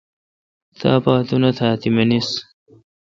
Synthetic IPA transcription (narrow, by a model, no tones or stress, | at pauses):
t̪ʰa̰ːpaːt̪unɐt̪ʰaːt̪imɐnis